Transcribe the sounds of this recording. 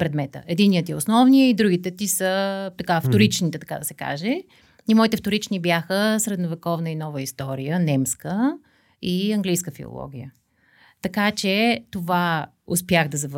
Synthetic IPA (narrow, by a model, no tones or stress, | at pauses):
pɾɛd̪mɛt̪ə̰ʔɛd̪inːijət̪iɛosnɔvniəid̪ɾuɡit̪ɛt̪isət̪ɐkaft̪oɾit͡ʃnit̪ɛt̪ɐ̥kad̪ɐsɛka̰ʒɛ | imɔit̪ɛft̪oɾit͡ʃnibjaxəsɾɛd̪novɛkɔvnəinɔvəist̪ɔɾijənɛmskə | iɐŋɡlijskəfḭo̰lˠɔ̰ɡ̟ʲijə̰ | t̪ɐkat͡ʃɛt̪ova | ʊspjaɣd̪ɐzɐv